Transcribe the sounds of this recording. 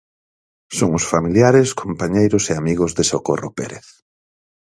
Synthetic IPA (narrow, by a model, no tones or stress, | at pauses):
soŋʊsfamiljaɾeskompaɲejɾʊseamiɣʊzðesokoropḛɾḛθ